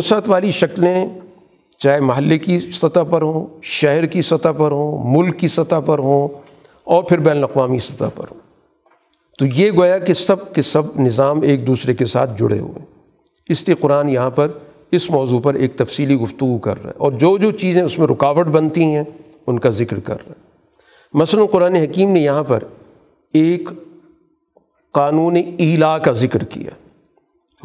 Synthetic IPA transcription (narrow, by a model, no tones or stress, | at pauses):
oːsat̪ʋaːliʃɐklẽ | t͡ʃaːɦemɐɦəlːekisɐt̪apɐɾɦõːʃɛɦɾkisɐt̪apɐɾɦõːmʊlkːisɐt̪apɐɾɦõː | ɔːɾpʰɪɾbɛːnəlɐqʋaːmiɪst̪ɐt̪a̰pɐ̰ɾɦõː | t̪ojeɡoːjakesɐb̚kesɐbnɪzaːmeːk̚d̪uːsɾekesa̰ːt̪ʰd͡ʒʊ̰ɽ̤ḛɦʊ̰ḛ̃ː | ɪslieqʊɾaːnjɐɦãpɐɾ | ɪsmɔːzuːpɐɾeːk̚t̪ɐfsiːliɡʊft̪ʊɡukɐ̰ɾːa̰ɦɛ̰̃ɔːɾd͡ʒoːd͡ʒoːt͡ʃiːzẽʊsmẽɾɪkaːʋəɖbɐnt̪iɦɛ̃ | ʊnkazɪkɾkɐ̰ɾːa̰ɦɛ | mɐslənqʊɾaːneɦɐkiːmnejɐɦãpɐɾ | eːk | qaːnũːneiːlakazɪkɾkḭja̰